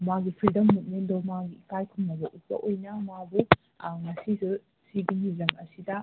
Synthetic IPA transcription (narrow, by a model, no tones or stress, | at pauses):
maɡipʰɾidɐmːut̚mendɐwmaɡiːkajkʰumnɐbɐʔut̚bɐ̰ʔojnɐmabu | ŋɐsisu | siɡiniɾɐmɐsidɐ